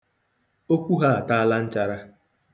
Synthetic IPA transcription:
o˦kʷu˦ɦa˦a˨ta˦a˦la˦n̩˦t͡ʃa˦ɾa˦

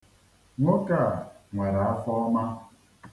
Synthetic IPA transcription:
ŋo˦ka˦˨ŋʷa˨ɾa˨a˦fɔ˦ma˦

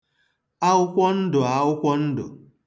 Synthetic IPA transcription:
a˦ʊ˦kʷɔ˦n̩˦dʊ˨a˨ʊ˦kʷɔ˦n̩˦dʊ̰˨

